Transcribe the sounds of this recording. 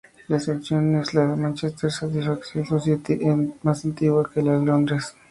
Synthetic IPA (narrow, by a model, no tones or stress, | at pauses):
laseksjoneslaðemãnt͡ʃest̪eɾsat̪isfaksjõnsosjet̪iʔemasant̪iɣwakelaðelond̪ɾes